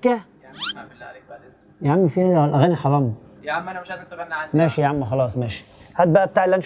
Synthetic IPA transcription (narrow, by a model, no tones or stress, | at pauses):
kæ | jʕamːifiːhæwalʔæɣæːniħɑɾˤɑːm | mæːʃijʕamːuxɑlɑːsˤmæːʃi̥hæd̪̚bæʔæb̚t̪aːʕelːʔænʃ